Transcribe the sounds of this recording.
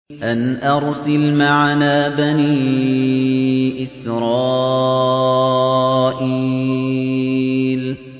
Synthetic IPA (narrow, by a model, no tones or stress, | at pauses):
ʔanʔɑɾˤsalmaʕanaːbaniː | ʔɪsɾɑː | ʔiː | l